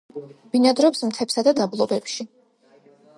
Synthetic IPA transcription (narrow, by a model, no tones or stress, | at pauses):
b̥inad̪ɾɔpsmt̪ʰɛpsad̪ad̪ablˠɔbɛpʃi